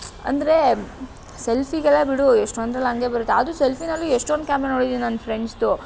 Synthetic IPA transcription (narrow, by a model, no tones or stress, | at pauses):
ɐ̰nd̪ɾe̞ | selpʰiɡɐlebiɽueʂʈond̪ɾɐlɐŋɡe̞bɐɾut̪ːeɐd̪uselpʰinɐlːueʂʈond̪̚kaːmenoːɽid̪iinɐnːpʰɾeɳɖst̪u